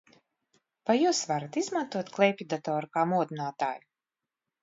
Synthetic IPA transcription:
pajuːsvaɾat̪izmant̪uɔt̪klˠɛjpʲid̪at̪ɔːɾukaːmuɔd̪inaːt̪aːju

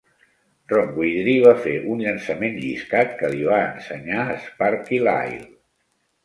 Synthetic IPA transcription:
rɔŋɡwuðɾiβ̞afeʔunʎənsəmenʎiskat̪kəliβ̞aənsəɲaəspaɾkila̰jl

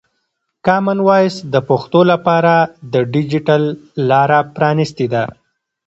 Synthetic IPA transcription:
kɑmənwɑjsd̪əpoxt̪olapɑɾad̪əɖɪd͡ʒɪʈalːɑɾapɾɑnɪst̪ed̪a

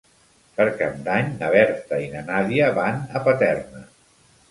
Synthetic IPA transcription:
pəɾka̰md̪aɲnəβɛɾt̪əinənaðiəβanəpət̪ɛrnə

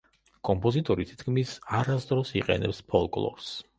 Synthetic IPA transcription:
kʼɔmpʼɔzit̪ʼɔɾit̪ʰi̥t̪ʰkʰmisaɾasd̪ɾɔsiqʼɛ̰nɛpspʰɔlˠkʼlˠɔ̰ɾs

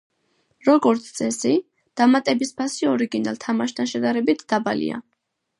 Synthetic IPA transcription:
ɾɔɡɔɾt̪sʰt̪sʼɛsi | d̪̥amat̪ʼɛbispʰasiɔɾiɡina̰lˠt̪ʰamaʃt̪ʰanʃɛd̪aɾɛbit̪ʰd̪̥abalḭa̰

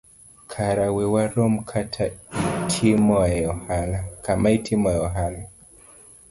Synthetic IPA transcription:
kʰaɾawɛwaɾɔm̩kʰatʰaitʰimɔajɔhanakamaitʰimɔajɔɦana

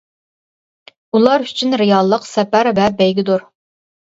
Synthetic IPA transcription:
ulˠɑɾy̥t͡ʃʰynɾejɑlˠːəqsɛpæɾvɛbɛjɡʲɪd̪uɾ

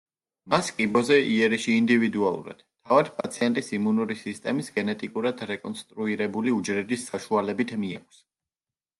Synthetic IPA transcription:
maskʼibɔzɛʔiɛɾiʃiːnd̪ivid̪ualˠṵɾa̰d̪̥t̪ʰːavad̪pʼat̪sʰiɛnt̪ʼisimunuɾisist̪ʼɛmisɡɛnɛt̪ʼikʼuɾad̪ɾɛkʼɔnst̪ʼɾuiɾɛbuliud͡ʒɾɛd̪isːaʃualɛbit̪ʰmia̰k̚ʼʰs

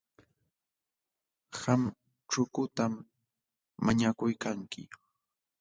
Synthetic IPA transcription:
xam | ʈ͡ʂʊkʊt̪amː | aɲakʊjkaŋkɪ̰

